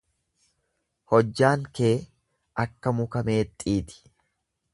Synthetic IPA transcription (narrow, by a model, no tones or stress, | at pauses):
hɔd͡ʒːaːŋke̞ː | ʔɐkːɐmʊkɐme̞ːt̪ʼːiːt̪ɪ̥